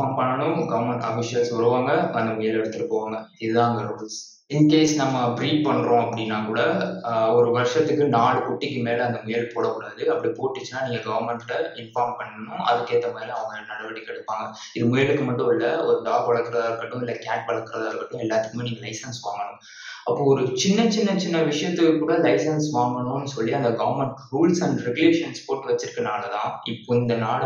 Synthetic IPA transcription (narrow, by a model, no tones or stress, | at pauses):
aːɾmpɐɳːɐɳʊ̃mɡɐʋɐɾmɛɳʈɐfɪʂɪɐlsʋɐɾɯʋaːŋɡɐɐnd̪ɐmʊjɐlɛɽɯt̪ːɯɾɯkːɯʋaːŋɡɐɪðɯðãːɐŋɡɐɾols | ɪnd̪ɐkeːsnɐmːɐbɾiːʈ̚pɐɳːɾõːɐpːɐɽinːaːkuːɽɐɔɾɯʋɐɾʂɐt̪ːɯkːɯnaːɭkʊʈːɪkːɯmeːlɐɐnd̪ɐmʊjɐlpoːɽɐkːʊɽaːðɯɐpːɐɽipoːʈːɯt͡ʃːɯnaːniːŋɡɐɡɐʋɐɾmɛɳʈɪlɐɪnfaːɾmpɐɳːɐɳʊ̃ʔɐ̰ðɯkːeːt̪ːɐmʊjɐlɐʋɐŋɡɐɐlnɐɽɐʋɐɽikːɛɽɯpːaːŋɡɐ | ɪðɯmʊjɐɭɯkːɯmɐʈːʊ̃ɪlːɐɔɾɯɖ̪aːɡʋɐɭɐɾkːɪɾɐðɾkːɐʈːʊ̃ɪlːɐkaːʈ̚ʋɐɭɐɾkːɪɾɐðaːɾkːɐʈːʊ̃ɛlːaːt̪ːɯkːɯmeːniːŋɡɐlɐɪsɐnsʋa̰ːŋɡɐɳʊ̰̃ | ɐpːoɔɾɯt͡ʃɪnːɐt͡ʃɪnːɐt͡ʃɪnːɐʋɪʂɐjɐt̪ːɯkːɯkːuːɽɐlɐɪsɐnsʋaːŋɡɐɳʊ̃ɐnːɯsɔlːiɐnd̪ɐɡɐʋɐɾmɛɳʈɾuːlsɐɳɖɾɛɡʊleːʂɐnspoːʈːɯʋɐt͡ʃːɪɾɯkːɐnaːɭɐt̪ãːɪpːoːɪnd̪ɐnaːl